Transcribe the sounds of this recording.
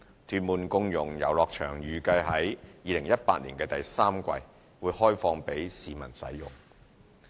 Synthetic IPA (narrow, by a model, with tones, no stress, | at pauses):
t̪ʰyː˧t̚muː˨nkʊ˧ŋjʊ˨˩ŋjɐ̰˨˩wlɔː˨k̚t͡ʃʰœ̰ː˨˩ŋjyː˨kɐ˧jɦɐ˨˥jjiː˧lɪ˨˩ŋjɐ˥t̚paː˧t̚liː˨˩nkɛː˧t̪ɐ˨jsaː˥mkʷɐ̰˧j | wuː˨˧˥jhɔː˥jfɔː˧ŋpe˨˥jsiː˨˧mɐ̰˨˩nsɐ̰˨˥jjʊ̰˨˩ŋ